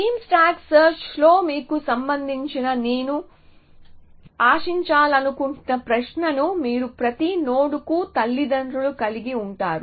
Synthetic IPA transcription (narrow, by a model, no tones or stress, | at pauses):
ʈiːmsʈaːɡsɐɾt͡ʃlo̞ːmiːkusɐmbɐnd̪ʱiɲt͡ʃinɐneːnu | aːʂiɲt͡ʃaːlɐnukuɳnɐpɾɐʃnɐnumiːɾupɾɐt̪ino̞ːɽukut̪ɐlːid̪ɐɳɖɾulukɐliɡiuɳʈaːɾu